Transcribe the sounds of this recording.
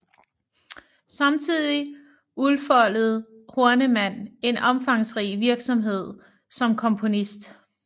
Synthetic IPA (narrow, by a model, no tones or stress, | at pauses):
sɑ̈mt͡sʰið̰ˠi | ulˠfɒ̽l̰əð̞̩ˠho̝ɐnəmæn̰e̝nɒ̽mfɑ̈ŋsʁḭːʋiɐɡ̥sɒ̽mɦe̝ð̞̰ˠ | sɒ̽mkʰɒ̽mpʰo̝nisd̥